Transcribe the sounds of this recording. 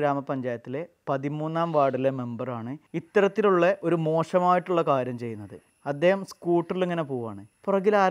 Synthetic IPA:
ɾaːmɐpɐɲd͡ʑaːjɐt̪ːile̞pɐðimuːnːaːmʋaːɽileme̞mbɐraːɳɨit̪ːɐɾɐt̪ːiluɭːɐʔo̞ɾumo̞ːʂɐmaːjiʈːuɭːɐkaːɾjɐmt͡ɕe̞jːunːɐðɨ | ɐd̪ːe̞ːhɐmskuːʈːileŋːɐne̞poːʋa̰ːɳɨpurɐɣilaː

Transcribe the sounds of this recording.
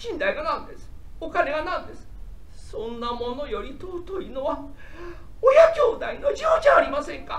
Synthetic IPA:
ʑ̥ĩnd̪aiɡanãnd̪e̞sɨ̥o̞kane̞ɡanãnd̪e̞sɨ̥ | sõ̞nːamo̞no̞jo̞ɾʲit̪ot̪oinoβa | ojad͡ʑo̞ːd̪aino̞ʑioːd͡ʑaːɾʲimasẽ̞ŋka

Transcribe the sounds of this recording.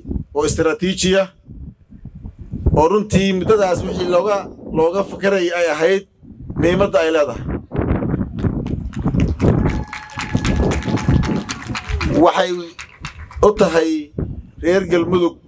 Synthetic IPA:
ʔɔːɪst̪ɾaːt̪ʰiːt͡ʃɪjɐ | ɔːrʊnt̪ʰiːmʊd̪ːɐðaːswɪħiːlɔɣɐlɔːɣɐfɐkʰɐɾɛjɛjɐɦɛjd̪̚miːmɐd̪ɐːjlɛːðɐɦɛ | wɑħɑj | ʊt̪ʰɐɦɛjrɛːrɡɐlmʊðʊɡ̚

